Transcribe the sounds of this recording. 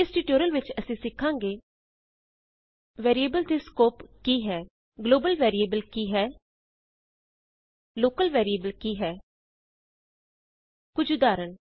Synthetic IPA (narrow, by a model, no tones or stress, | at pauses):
ɪsʈiʈoːɾəlʋɪt͡ʃəsĩːsɪkʰːãːŋɡeː | ʋɛːɾiebəlt̪eskoːpkiːɦɛː | ɡloːbəlʋɛːɾiːeːbəlkiːɦɛː | loːkəlʋɛːɾieːbəlkiːɦɛː | kʊd͡ʒʱʊd̪aːɾən